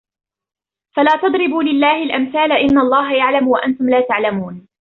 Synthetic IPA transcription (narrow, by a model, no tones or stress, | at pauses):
falaːt̪ɑd̪ˤɾɪbuːlɪlːaːhɪlʔamθaːlaʔɪnːalˤːɑːɦajaʕlamwaʔant̪ʊmlaːt̪aʕlamuːn